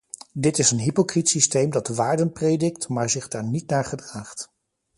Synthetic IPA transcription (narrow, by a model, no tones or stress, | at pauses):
dɪtɪsənɦipokritsistejmdɑtəʋaːɹdənprejdɪktmaːɹzɪχdaːɹnitnaːɹχədraːχt